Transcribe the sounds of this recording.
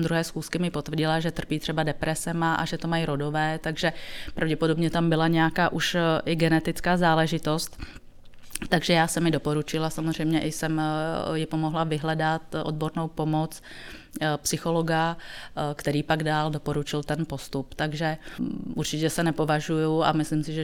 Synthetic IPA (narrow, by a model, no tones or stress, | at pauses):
d̪ɾuɦɛːsxuːskɪmɪpot̪vrɟɪlaʒɛt̪r̩piːt̪r̝̥ɛbadɛpɾɛsɛmaʔa̰ʒɛt̪omajiɾodovɛːt̪aɡʒɛpɾʔavɟɛpodo̞bɲɛt̪ambɪlaɲɛjakaːʔuʃʔɪɡɛnɛt̪ɪt͡skaːzaːlɛʒɪt̪ost̪ | t̪ːaɡʒɛjaːsɛmɪdo̞po̞ɾut͡ʃɪlasamozrɛjmɲɛʔɪsɛmjɪpomo̞ɦlavɪɦlɛdat̪ʔod̪̚boɾnowpo̞mot͡s | psɪxo̞loɡa | kt̪ɛɾiːpaɡdaːldo̞po̞ɾut͡ʃɪlt̪ɛnpo̞st̪upt̪aɡʒɛʔuɾt͡ʃɪcɛsɛnɛpo̞vaʒujua̰mɪslimsɪʒɛ